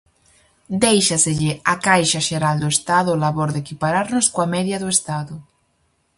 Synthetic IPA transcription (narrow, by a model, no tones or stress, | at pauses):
d̪ejʃaseʎɪakajʃaʃeɾald̪oest̪aðʊlaβoɾðekipaɾaɾnoskoamɛðjaðoest̪aðʊ